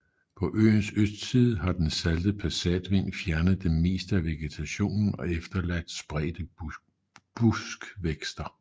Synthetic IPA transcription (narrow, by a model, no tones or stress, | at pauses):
pʰɒ̽ʔø̰ːnsøsd̥sið̞ˠɦɑ̈d̥ensæld̥əpʰæsɛ̰d̥ʋe̝n̰fjæɐnəð̞̩ˠd̥eme̝̰ːsd̥əæʋe̝ɡ̥e̝t͡sʰæɕo̝̰ːnn̩ɒ̽efd̥ɐlæd̥sb̥ʁɛ̰ːd̥ə | b̥usɡ̥ʋeɡ̥sd̥ɐ